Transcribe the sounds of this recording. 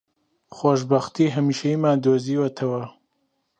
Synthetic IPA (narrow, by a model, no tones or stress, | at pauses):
xoʃ̬bɐxt̪iːɦɐmiːʃɐimaːd̪oːziːwɐt̪ʰɐwɐ